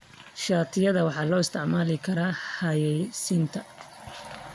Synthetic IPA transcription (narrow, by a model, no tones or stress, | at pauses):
ʃaːt̪ʰɪjɐðɐwɑħɑːlɔːɪst̪ʰɪʕmaːlɪkʰɐɾaːħɐjɛsɪnt̪ʰɐ